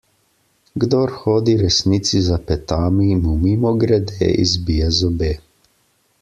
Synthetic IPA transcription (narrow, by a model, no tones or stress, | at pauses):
ɡd̪ɔːɾxoːd̪iɾɛsnit̪sizapɛt̪aːmimumiːmɔɡɾɛd̪ḛːḭzbijɛzɔbeː